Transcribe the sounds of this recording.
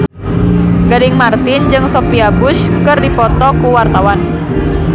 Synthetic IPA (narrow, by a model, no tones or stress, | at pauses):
ɡ̥adɪŋmart̪ɪnd͡ʒɨŋsopiabʊskɨrdipɔt̪ɔkuwart̪awan